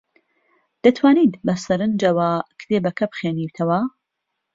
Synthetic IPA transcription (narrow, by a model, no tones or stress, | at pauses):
d̪̥ɐt̪ʰwaːnid̪bɐsɐɾɨnd͡ʒɐwakʰt̪ʰeːbɐkʰɐbɨχeːniːwt̪ʰɐwɐ